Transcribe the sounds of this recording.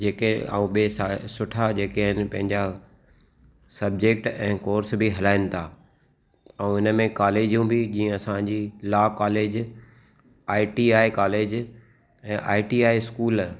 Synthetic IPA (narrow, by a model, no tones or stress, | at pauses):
d͡ʑeːkea̰ːũɓeːsasʊʈʰad͡ʑeːkeɦɪnɪ̆pɐ̃ɦɪ̃ɲd͡ʑa | sɐb̚d͡ʑeːk̚ʈɛ̃ːkoːɾsbʱiɦɐlaːɪ̃nɪ̆t̪ʰaː | ɐũɪnəmẽkaːleːd͡ʑijũbʱid͡ʑĩːə̃ɐsãd͡ʑilaːkaːleːd͡ʑ | aːɪʈiaːekaːleːd͡ʑ | ɛ̃ːʔaːɪʈiaːeskuːl